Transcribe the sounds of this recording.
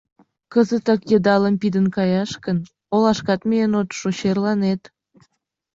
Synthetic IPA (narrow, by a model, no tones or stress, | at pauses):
kəzət̪ɑkjəd̪ɑləmpid̪ənkɑjɑʃkən | olɑʃkɑt̪meənot̪ʃoɕerlɑnet̪